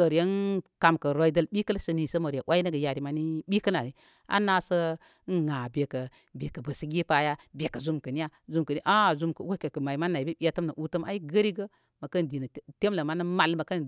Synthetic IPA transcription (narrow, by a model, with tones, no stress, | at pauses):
o˨ɾe˦nka˨mkə˨ɾo˨˦i˦də˦lɓi˦kə˦lə˦sə˨ni˨sə˦mo˨ɾa˨ʔwʔa˦i˦nə˦ɡə˨ja˨ɾi˨ma˨˦ni˦ɓi˦kə˦na˨ni˦ | a̰˦na˨sə˦ | nŋa˨be˨kə˨ | be˨kə˨bə˨sə˨ɡʲi˦pa˦ja˦bʲe˨kə˨zu˦mkə˨ni˦ja˦zu˦mkə˨ni˦ʔa˦˨zu˦mkə̰˨wo˦kə˨kə˨ma˨jma˦nːa˨i˨bi˦ɓi˦a˦tə˦mnə˨ʔu˦tə˦ma̰˦i˦ɡə˦ɾi˦ɡə˦ | mə˨kə˦n˨di˨nə˨˦te˦mlə˨ma˦nə˦ma˨lmə˨kə˦n